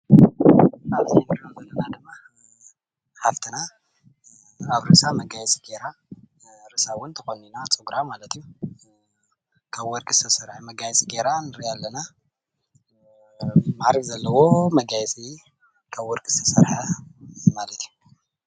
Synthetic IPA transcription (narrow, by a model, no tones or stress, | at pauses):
alʰinɨɾonzɐlːɐnad̪ɨmːa | ħaft̪ʰɨna | aβɾɨsamɐɡajsʼi̥ɡeɾa | ɾɨsawʊnt̪ʰɐxoninat͡sʼɨɡɾamalɐt̪ʰiju | kʰaβwɔɾkʼɨst̪ʰɐsɐɾħamɐɡajsʼiɡeɾanɨɾijalːɐna | maɾkʼzɐlːɐwo̞mɐɡajsʼi | kʰaβwɔɾkʼɨ̥st̪ʰɐsɐɾħamalɐt̪ʰiju